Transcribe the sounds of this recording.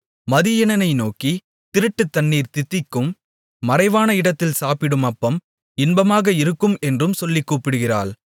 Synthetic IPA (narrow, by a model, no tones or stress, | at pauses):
mɐðɪjɛnɐnɐɪnoːki | t̪ɪɾɯʈːɯt̪ːɐɳːiːɾt̪ɪt̪ːɪkːɯmː | ɐrɐɪʋaːnɐɪɽɐt̪ːɪlsaːpɪɽɯmɐpːɐm | ɪnbɐmaːɣɐɪɾɯkːɯmɛndrɯmsɔlːɪkːuːpːɪɽɯɣɪra̰ːɭ